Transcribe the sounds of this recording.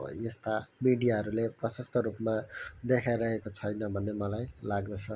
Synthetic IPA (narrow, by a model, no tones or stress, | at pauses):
est̪amiɖijaɦʌɾuleprʌsʌst̪ʌɾupmad̪ekʰajɾʌɦekot͡sʰʌjnʌbʱʌnːemʌlajlaɡnʌt͡sʰʌ